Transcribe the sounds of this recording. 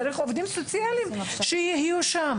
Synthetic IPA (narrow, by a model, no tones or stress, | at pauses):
ɾeχovd̪imsot͡sijalimʃejihijuʃam